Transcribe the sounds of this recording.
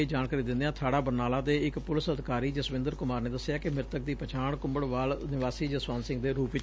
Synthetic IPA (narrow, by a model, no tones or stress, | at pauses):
d͡ʒaːnkaːɾiːd̪ɪnd̪eːãːt̪ʰaːɽaːbəɾnaːlaːd̪eːɪkpʊlɪsəd̪ʱɪkaːɾiːd͡ʒəsʋɪ̃nd̪əɾkʊmaːɾneːd̪əsːejaːkɪmɪɾt̪ək̚d̪iːpət͡ʃʰaːɳkʊmbəɽʋaːlnɪʋaːsiːd͡ʒəsʋaːnsɪ̃ŋɡd̪eːɾuːpɪt͡ʃ